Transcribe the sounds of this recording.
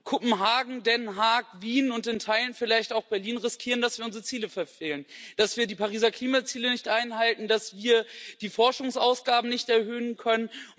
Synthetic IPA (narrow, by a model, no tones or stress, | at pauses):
kʰʊpm̩ɦaːɡŋ̩dɛnɦaɐkviːnʊntɪntʰaɪlənfɪlaɪçtaʊxb̥ɛɐliːnʁɪskʰiːʁəndasviɐʊnzʁət͡siːləfɛɐfeːlənd̥asv̥iːɐdiːpʰaʁ̞iːzɐkl̥iːmat͡siːlənɪçtʔaɪnɦaltn̩d̥asv̥iːɐd̥iːfɔɐʃʊŋsʔaʊsɡ̥aːbm̩nɪçtɛɐhøːənkʰœnən